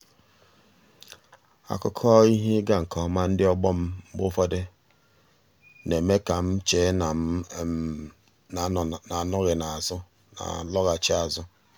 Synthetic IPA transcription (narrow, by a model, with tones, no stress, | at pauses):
a̰˦˨kʊ˦kʰɔ˦i˦ɦe˦ɡa˦ŋ̩˨kʰɔ˦ma˦n̩˦dɪ˦ɔ˦ɡ͡bɔ˦m̩˦bʊ˦fɔ˦de˦ | ne˨me˦ka˨m̩˦t͡ʃe˨˦n˨ | na˨nʊ˦ɣɪ˨na˨zʊ˦ | na̰˨lɔ˦ɣa˨t͡ʃɪ˦a˨zʊ˦